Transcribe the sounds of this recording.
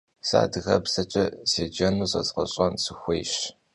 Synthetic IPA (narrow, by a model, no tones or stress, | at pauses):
sa̰ːdɨɣɐ̰psɐt͡ʃʼɐseːd͡ʒɐnuːsʼɐzqɐɕʼɐnsɨxʷejɕ